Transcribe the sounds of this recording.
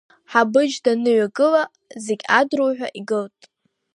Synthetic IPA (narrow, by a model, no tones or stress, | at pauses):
ħabɨd͡ʒdanɨɥaɡʼɨla | ze̞ɡʲadrowħᶣʷaʔiɡɨltʼ